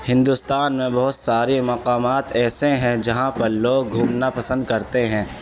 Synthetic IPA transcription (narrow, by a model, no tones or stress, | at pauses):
hɪ̃nd̪ust̪aːnmẽbɐɦʊt̪saːɾemɐqaːmaːt̪ɛːseɦɛ̃d͡ʒɐɦãpɐɾloːɡ̚ɡʱũːmnapɐsə̃nd̪̚kɐɾt̪eɦɛ̃ː